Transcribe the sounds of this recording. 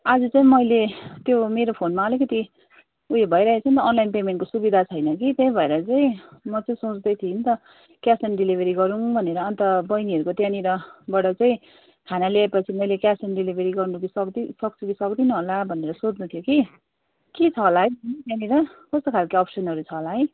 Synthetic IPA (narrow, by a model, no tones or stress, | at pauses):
ad͡zut͡saĩmʌjlet̪jomeɾopʰonmaʌlikʌt̪i | uɦebʱʌjɾaɦet͡sʰʌnt̪ʌːnlajnpemeɳʈkosubid̪ʱat͡sʰʌjnʌkit̪jʌj̃ĩbʱʌeɾʌt͡saĩmʌt͡saĩsot͡sd̪ʌjt̪ʰint̪ʌ | kjasʌnɖilibʱeɾiɡʌɾuŋbʱʌneɾʌʌnt̪ʌbʌjniɦʌɾukot̪janiɾʌbʌɽʌt͡saĩ | kʰanalaepʌt͡sʰimʌjlekjasʌnɖilibʱeɾiɡʌrnukisʌkd̪isʌk̚t͡sʰukisʌkd̪inʌɦolabʱʌneɾʌsod͡znut̪ʰjoki | kit͡sʰʌɦolaɦʌjbʱʌnit̪janiɾʌkʌst̪okʰalkeʌpsʌnɦʌɾut͡sʰʌɦolaɦʌj